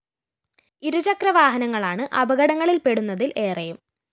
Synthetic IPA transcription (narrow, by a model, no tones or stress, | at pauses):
iɾut͡ɕɐkrɐʋaːɦɐnɐŋːɐɭaːɳɨʔɐbɐɣɐɽɐŋːɐɭilpe̞ɽunːɐðilʔe̞ːrɐjum